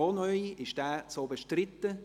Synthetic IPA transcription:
oːnœʏɪʃd̥æːsoːbeʃtrɪt̪ːə

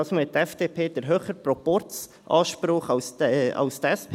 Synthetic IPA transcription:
ɑːsmɪt̪ːɛfd̪̥eːpʰeːd̥̪əɾɦøːχəɾpɾɔpɔɾt͡s | ʔɑːʃpɾʊχɑwsɑ̰ʊst̪ɛspʰː

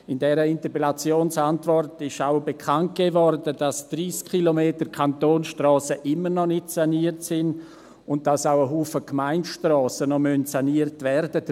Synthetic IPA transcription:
ɪndɛːɾəɪntəpelat͡sjoːnsantvɔrtɪʃaʊbekʰant̚ɡ̥eːvɔrdəd̥asd̥riːskχilomeːtəkʰantoːnsʃtrɔːsəʔɪmːənɔnɪtsaniəɾtsɪn | ʊnt̚d̥asawəɦuːfəkmaɪntʃtrɔːsənɔmœntsaniːərtvɛɾd̥ə

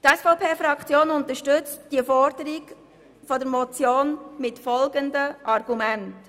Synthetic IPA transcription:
tɛsfɔʊpʰeːfɾɑkt͡sjoːnʊntəʃtʏt͡std̥iəfɔɾd̥əɾiɡ | fɔdəɾmɔt͡sjoːnmɪtfɔlɡəndəʔɑrɡ̥umænt

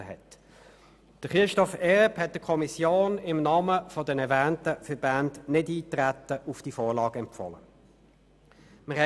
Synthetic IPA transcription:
əhɛ̰t | d̥əχɪʃtɔfɛʁphɛt̚d̥əkʰɔmisjoːnɪmnɑːməfɔdənɛɐvæːntəfəbændnɪdiːt̪ʁæt̪əʔʊfd̥ifɔːʁlɑːɡəɛmpfɔ̰lə̰ | məʁhɛ

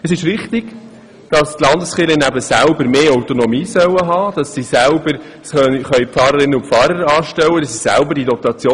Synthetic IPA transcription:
əsɪʃʋɪχt̪ɪɡ̥ | d̥ɑstlɑndəsχɪlənæbəsælbəɾmeːœwtonɔmiːsœwəɦɑːd̥ɑsːisælbəɾ | sœχœɥpfɑːɾəɾɪnːəʊfɑːɾəɾɑːʃtɛwəd̥ɑsːisæ̰lbəɾd̥idɔt̪ɑt͡sjoː

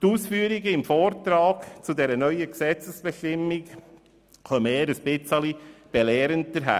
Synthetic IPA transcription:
t̪uːsfyːəɾiɡəɪmfɔːɾt̪ɾɑːɡt͡sudɛɾənœʏəksɛt͡səsb̥ɛʃtɪmːik | χœmeːɾəsb̥ɪt͡səlib̥ɛlɛːɾənt̪əɾɦæ̰ː

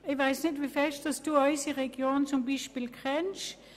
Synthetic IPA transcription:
ɪʋaɪsnɪtʋifɛʃtəsd̥uːɔɪsiʁeɡ̥joːnnt͡sʊmbiːʃpiːlkʰʁɛnʃ

